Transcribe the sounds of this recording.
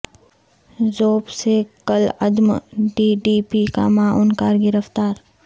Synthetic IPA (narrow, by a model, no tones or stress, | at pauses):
zoːbsekələd̪mɖiːɖiːpikamãʔʊnkaːɾɡɪɾəft̪aːɾ